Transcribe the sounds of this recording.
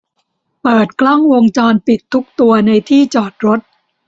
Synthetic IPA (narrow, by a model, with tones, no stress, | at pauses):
pɤː˨˩t̪̚klɔ˥˩ŋwoː˧ŋt͡ɕɔː˧npi˨˩t̪ʰːu˦˥k̚t̪u˧ɐna˧jt̪ʰiː˥˩t͡ɕɔː˨˩t̪̚ɾo˦˥t̪̚